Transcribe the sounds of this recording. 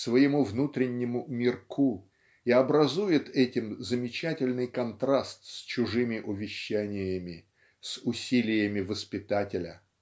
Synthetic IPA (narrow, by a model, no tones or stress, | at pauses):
svəjɪmuvnut̪ɾʲɪnʲːɪmʊmʲɪrkʰu | iɐbɾɐzujɪt̪ʰɛtʲɪmzəmʲɪt͡ɕætʲɪlʲnɨjkɐnt̪ɾast̪sʲt͡ɕʊʐɨmʲɪʔʊvʲɪɕːænʲɪjəmʲɪ | sʊsʲilʲɪjəmʲɪvəspʲɪt̪atʲɪlʲə